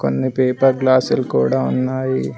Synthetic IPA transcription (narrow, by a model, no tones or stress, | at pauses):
konːipeːpɐɾɡlaːsulkṵːɽaːunːaːji